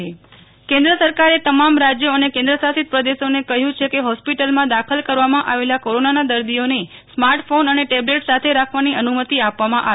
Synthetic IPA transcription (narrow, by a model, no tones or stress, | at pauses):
e | kẽnd̪ɾəsəɾkaɾet̪əmamɾad͡ʒjəənekẽnd̪ɾəsasit̪̚pɾəd̪eʃonekəɦjũt͡ʃʰekeɦɔspiʈəlmãd̪akʰəlkəɾʋamãʔaʋelakoɾonanad̪əɾd̪ijone | smaɾʈfonəneʈebleʈsat̪ʰeɾakʰʋaniənumət̪iapʋamãʔa̰